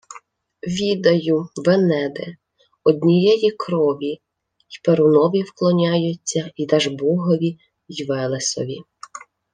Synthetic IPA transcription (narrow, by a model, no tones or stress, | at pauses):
ʋʲid̪ɐjʊʋenɛd̪e | ɔd̪ʲnʲijɛjikɾɔʋʲi | ipeɾʊnɔʋʲiwklˠɔnʲajʊt͡sʲːɐid̪ɛʒbɔɦɔʋʲi | jʋɛlˠesɔ̰ʋʲi